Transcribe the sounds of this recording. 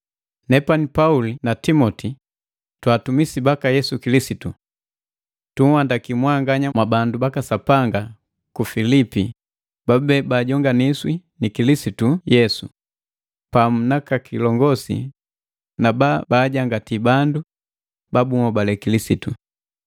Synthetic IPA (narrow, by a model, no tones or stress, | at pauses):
nɛpanipaulinatimɔti | twaːtumisibakajɛsukilisitu | tuŋwandakimwaŋɡaɲamwabandubakasapaŋɡa | kufilipi | babɛbaːɟɔŋɡaniswinikilisitujɛsu | pamunakakʰilɔŋɡɔsḭ | nababaːɟaŋɡatibandu | babumɔbalɛkilisitu